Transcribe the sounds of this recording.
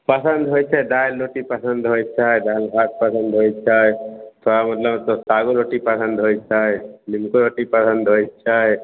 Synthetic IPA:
pəsə̃nd̪ɦojt͡ʃʰajd̪aːlːoʈipəsənd̪ʱɦojt͡ʃʰaːed̪aːlɦaːt̪̚pəsə̃nd̪ʱɦojt͡ʃʰaːet̪ʰoːɽamɐt̪ləbt̪osaɡoloːʈipəsə̃nd̪ʱɦoːt͡ʃʰaːelimkoɾoːʈipəsə̃nd̪ʱɦojt͡ʃʰaːe

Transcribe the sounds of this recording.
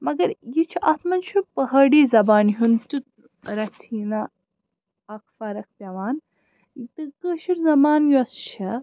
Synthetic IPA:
mɐɡɐɾjit͡ʃʰiʔɐt̪mɐnt͡ʃʰupɐɦɐɽiːzɐbaːnɦunt̪u | ɾɐt̪ʰiːnɐ | ɐkʰfɐɾɐk̚ʰpʲɐʋaːn | t̪ɨkəːʃiɾzɐmaːnjuɐst͡ʃʰɐ

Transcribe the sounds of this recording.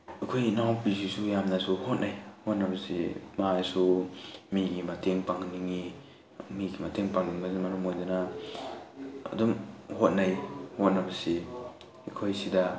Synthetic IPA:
akʰojnawbis̬isujamnasuhot̚najhot̚nabɐsḭmaasumiɡimateŋpaŋniŋi | miɡimateŋpaŋniŋbɐzimaɾumojdana | ɐ̰dumhot̚najhot̚nabɐsi | kʰojsida

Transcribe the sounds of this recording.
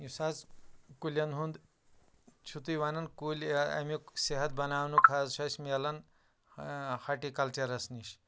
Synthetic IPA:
jisat͡skulʲɐnɦund̪ | t͡ʃʰut̪ujʋaːnɐnkulʲa̰miseɦɐt̪̚bɐnaːwnukʰazʃɐsmelɐn | haʈikɐlt͡ʃɐɾɐsniɕ

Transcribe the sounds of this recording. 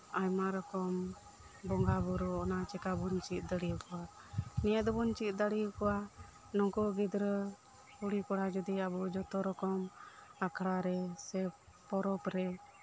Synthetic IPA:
ajmaɾɔkɔm | bɔŋɡabuɾɔɔnat͡ʃɛkabunt͡ʃit̪̚ˀd̪əɽikɔwa | niɛd̪ɔbunt͡ʃit̪̚d̪aɽikɔwa | nɔŋkɔɡid̪ɾə | kuɽikɔɽad͡ʒɔd̪iabud͡ʒɔt̪ɔɾɔkɔmakʰɽaɾɛsɛpɔɾɔpɾɛ

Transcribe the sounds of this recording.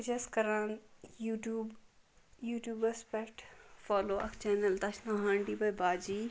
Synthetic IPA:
d͡ʒɐskɐɾãːnuʈuːb | juːʈjuːbɐspɛkʈfaːloːʔɐ̰kt͡ʃɛːnəlt̪ɐʃnaːɦãːɳɖiːbɐjbaːd͡ʒiː

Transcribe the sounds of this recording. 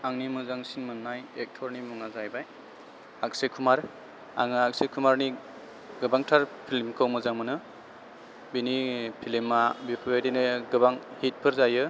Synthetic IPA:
aŋnimɯzaŋsinmɯnːajek̚tʰɔɾnimuŋazajbaj | ak̚sekʰumaɾ | a̰ŋɯak̚sekʰumaɾni | ɡɯbaŋtʰaɾpʰilmkʰɯwmɯzaŋmɯnɯ | binipʰilimːabipʰbajdenɯɡɯbaŋhit̚pʰɯɾzajɯ

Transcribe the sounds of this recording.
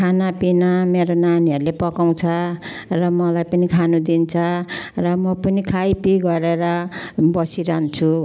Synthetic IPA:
kʰanapinameɾonaniʌɾulepʌkaw̃t͡sʰʌ | rʌmʌlajpʌnikʰanud̪int͡sʰʌrʌmʌpʌnikʰajpiɡʌɾeɾʌbʌsiɾant͡sʰu

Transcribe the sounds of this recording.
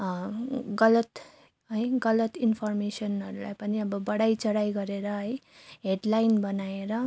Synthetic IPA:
ɡʌlʌt̪ | ɦʌjɡʌlʌt̪inpʰʌrmesʌnʌɾula̰jpʌniʌbʌbʌɽajt͡sʌɽajɡʌɾeɾʌɦʌj | ɦeɖlajnbʌnaeɾʌ

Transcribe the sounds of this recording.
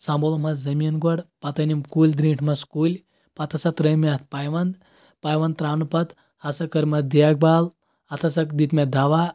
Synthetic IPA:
sãːmbolomɐzɐminɡɔɽpɐt̪ɐnimkuːlʲd̪ɾĩːʈʰmɐskuːlʲ | pat̪ʰɐsɐt̪ɾɐjmɐt̪̚ʰpaːjʋɐnd̪ | paːjʋɐnt̪ɾaːnupɐt̪ | ɐsɐkɐɾmɐd̪jaɡ̚baːl | ɐt̪ʰɐsɐkd̪it̪med̪ʱaʋaː

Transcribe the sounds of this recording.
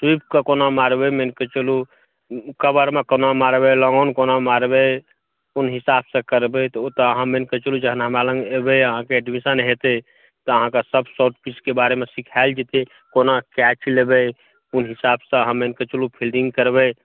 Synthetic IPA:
ʈip̚kekonamaɾbɛmenket͡ʃulu | kəbəɾmekonamaɾbɛlɔŋɡɔnkonamaɾbɛ | unɦisabsə̃kəɾbɛt̪ɔt̪ɔəɦãmenket͡ʃəlud͡ʒəɦənaɦəmɾalə̃ŋɡebɛəɦãkeɛɖmisənɦet̪ɛ | t̪ɔəɦãkesəbsoʈpiskebaɾemẽsikʰald͡ʒet̪e | konakɛt͡ʃlebɛ | unɦisabsə̃ɦãmenket͡ʃulupʰilɖĩŋɡkəɾbɛ

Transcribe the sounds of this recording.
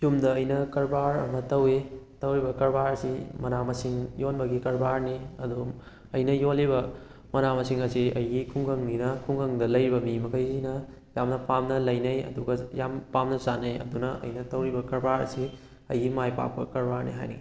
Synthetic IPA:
sumdɐːjnɐkɐɾbaɾɐ̰mɐtɐwetɐwɾibɐkɐɾbaɾsimɐnamɐsiŋjonbɐɡikɐɾbaɾniɐdu | ɐjnɐjolːibɐ | mɐnamɐsiŋɐsiɐjɡikʰuŋɡɐŋninɐkʰuŋɡɐŋdɐlɐjɾibɐmimɐkʰɐjsinɐ | jamnɐpamnɐlɐjnɐjɐ̰duɡɐjampamnɐsanɐjɐ̰dunɐʔɐ̰jnɐtɐwɾibɐkɐɾbaɾɐ̰si | ɐjɡimajpa̰k̚pɐkɐɾbaɾnḭɦa̰jnḭ

